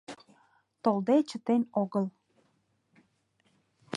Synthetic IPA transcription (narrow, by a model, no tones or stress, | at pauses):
t̪old̪et͡ɕət̪enoɣəl